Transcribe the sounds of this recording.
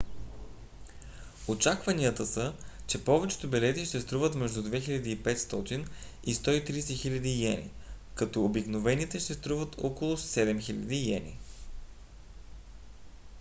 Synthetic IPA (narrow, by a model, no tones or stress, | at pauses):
ot͡ʃakvɐniət̪əsət͡ʃɛpɔvɛt͡ʃɛ̥t̪obɛlɛt̪iʃt̪ɛst̪ɾuvət̪mɛʒd̪ud̪vɛxilʲɐd̪iːpɛt̪st̪ɔt̪in | ist̪ɔit̪ɾiːsɛxilʲɐd̪ijɛnḭ | kɐt̪ɔːbiknovɛnit̪ɛʃt̪ɛst̪ɾuvət̪ʰɔkolˠʊssɛd̪ɛmxilʲɐ̰d̪ijɛ̰nʲḭ